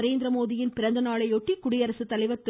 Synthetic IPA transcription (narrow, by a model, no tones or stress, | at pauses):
ɾeːnd̪ɾɐmoːðijɪnpɪɾɐnd̪ɐnaːɭɐɪɔʈːikʊɽɪjɐɾɐsɯt̪ːɐlɐɪʋɐɾt̪ːɯ